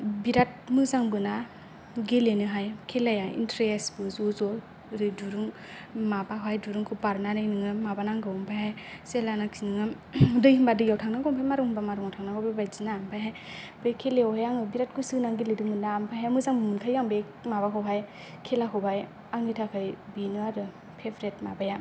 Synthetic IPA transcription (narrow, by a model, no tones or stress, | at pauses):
biɾat̚mɯzaŋbɯna | ɡelenɯɦajkʰelajaḭntɾesbɯzozɔ | ɾɯduɾɯŋ | mabakajduɾɯŋkʰɯpaɾnanajnɯŋɯmabanaŋɡɯwɔmpʰajɦajselanaksinɯŋɯ | dɯjhimbadɯjawtʰaŋnaɡɔmpʰajmaɾuŋhimbamaɾuŋawtʰaŋnaɡɔbabajzinampʰajɦaj | bejkʰeleɔhajaŋɯbiɾat̚kɯsɯnaŋɡeledɯmɯndaːmpʰajɦajmɯzaŋbɯmɯnkʰajaŋbe | mabakʰɯwɦaj | kʰelakʰɯwbaj | aŋitʰakʰajbinɯaɾɯ | pʰepɾet̚mabaja